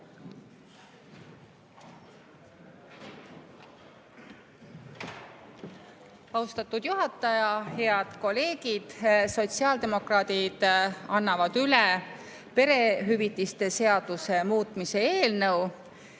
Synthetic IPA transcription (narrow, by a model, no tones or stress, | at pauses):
ɑwst̪ɑt̪ːˑud̪̥juɦɑt̪ːˑɑjɑhe̞ɑd̪̥ko̞le̞ːɡ̥id̪̥so̞t̪siɑːld̪e̞mo̞krɑːt̪id̪̥ɑnːɑvɑd̪̥yle | pe̞ɾe̞ɦyvit̪ːˑist̪e̞se̞ɑd̪̥use̞muːt̪ˑmise̞eeːlnɤw